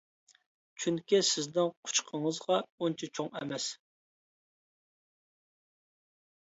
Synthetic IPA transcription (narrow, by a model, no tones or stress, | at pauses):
t͡ʃʰyŋkʲisɪzd̪ɪnqʰʊ̥t͡ʃqʰəɴəzʁɑunt͡ʃʰɛt͡ʃʰoŋɛ̰mɛs